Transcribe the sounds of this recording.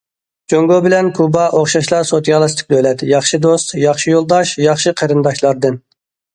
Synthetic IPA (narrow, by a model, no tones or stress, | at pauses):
d͡ʒoŋɡobɪlɛnkʰubɑʔoχʃɑʃlˠɑɾsot̪jɑlˠɨst̪ɪ̥k̚ʲd̪ølɛt̪jɑχʃɨd̪ost̪jɑχʃijolˠd̪ɑʃjɑχʃɨqʰəɾɨnd̪ɑʃlˠɑɾd̪ɨn